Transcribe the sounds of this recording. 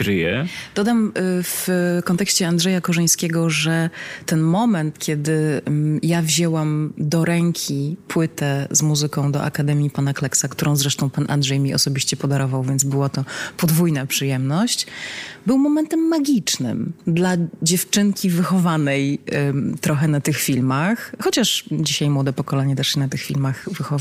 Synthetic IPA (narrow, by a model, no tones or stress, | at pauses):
ɾɘjɛd̪̥ɔd̪amfkɔnt̪ɛkɕt͡ɕɛandʐɛjakɔʐɛj̃skʲɛɡɔʐɛt̪ɛnmɔmɛnt̪kʲjɛd̪ɘjavʑɛwamd̪ɔɾɛŋkʲʰipwɘt̪ɛzmuzɘkɔ̃w̃d̪ɔ̰ʔa̰kad̪ɛmʲjipanaklɛksakt̪uɾʔɔ̃w̃zɾɛʂt̪ɔ̃w̃panʔa̰ndʐɛjmʲiʔɔ̰sɔbʲiɕt͡ɕɛpɔd̪aɾɔvawvʲjɛnd̪zbɘwat̪ɔpɔd̪vujnapʂɘjɛmnɔɕt͡ɕbɘwmɔmɛnt̪ɛmːaɡʲit͡ʂnɘ̰md̪lad͡ʑɛft͡ʂɘŋkʲivɘxɔvanɛjt̪ɾɔxɛnat̪ɘxfʲilmaxxɔt͡ɕaʂd͡ʑiɕajmwɔd̪ɛpɔkɔlɛɲɛt̪ɛʂɕɛnat̪ɘxfʲḭlmaxvɘxɔv